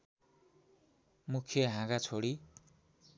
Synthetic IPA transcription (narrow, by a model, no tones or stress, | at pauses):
mukʰjʌɦãɡat͡sʰoɽi